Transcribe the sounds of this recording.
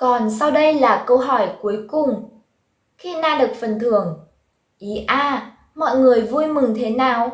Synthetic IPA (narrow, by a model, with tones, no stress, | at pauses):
kɔ˨˩nsa˧wɗə˧jlaː˨˩kə˧wɦɔ˧˩jku˨˦əjkʊ˨˩ŋ͡m | xi˧naː˧ɗɨ˨˩ə˩k̚fə˨˩nt̪ʰɨ˨˩əŋ | ʔi˨˦ʔaː˧ | mɔ̰˧˨jŋɨ˨˩əjvu˧jmɨ˨˩ŋt̪ʰe˨˦naː˨˩w